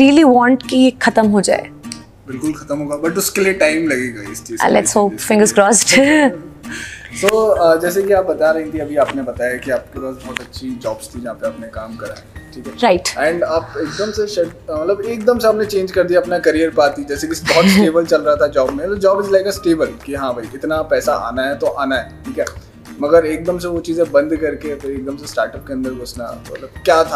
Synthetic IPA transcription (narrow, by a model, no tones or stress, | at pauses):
ɾiːəliʋɔ̃ːɳʈkiexʰɐt̪əmɦod͡ʒa̰ːḛ | bɪlkʊlxɐt̪əmɦoːɡabɐʈʊskelieʈaːɪmlɐɡeːɡaɪst͡ʃḭːlɛ̰tsɦoːpfɪ̃ŋɡəzkɾɔːsʈ | soːəːd͡ʒɛːs̬ekiaːp̚bɐt̪aɾɐɦĩt̪ʰiɐbʱiaːpnebɐt̪aːjakiaːp̚kebɔːsbɔːt̪ɐtːʃʰid͡ʒɔːbst̪ʰid͡ʒɐɦãːpeaːpnekaːmkɐɾa̰ | ʈʰiːkɛɾaɪʈɛ̃ːɳɖaːpeːk̚d̪əmseʃɐmɐt̪ləbeːkd̪əmseaːpnet͡ʃẽːnd͡ʒkɐɾd̪ijaːpnakɐɾijəɾpaːt̪id͡ʒɛːsekisbɔɦːt̪sʈeːbəlt͡ʃɐlɾɐɦat̪ʰad͡ʒɔːbmẽt̪od͡ʒɔːbɪzlaeːɡasʈeːbəlkiɦãːbʱaiɪt̪napɛːsaʔa̰ːnaɦɛt̪oʔaːnaɦɛːʈʰiːkɛː | mɐɡəɾeːk̚d̪əmseʋot͡ʃiːzẽbɐ̃nd̪kɐɾkepʰɾeːk̚d̪əmsesʈaːɾʈəp̚keɐ̃nd̪əɾɡʊsna̰mɐ̰t̪ləb̚kjaːt̪ʰa